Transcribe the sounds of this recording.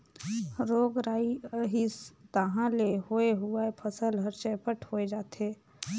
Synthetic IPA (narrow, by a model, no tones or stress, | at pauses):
ɾoːɡɾaːiɦist̪aɦãlehoeɦuaepʰəsəlɦəɾt͡ʃɛːpəʈʰhoːed͡ʒaːt̪eː